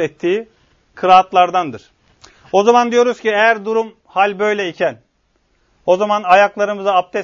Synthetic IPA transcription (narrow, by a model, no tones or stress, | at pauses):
ɛt̪ʰːiː | kʰɯɾaːt̪lˠaɾd̪and̪ɯɾ̥ | o̞zamand̪ijo̞ɾuzciejæɾd̪uɾum | halʲbø̞jlʲɛicʰæn | o̞zamanajaklˠaɾɯmɯzaap̚t̪ʰɛ